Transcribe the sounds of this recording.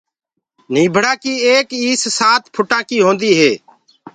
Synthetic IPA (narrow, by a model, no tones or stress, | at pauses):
n̤ĩːbʱəɽãːkiːeːkiːssaːt̪pʰʊʈãːkiːɦõːnd̪iːɦeː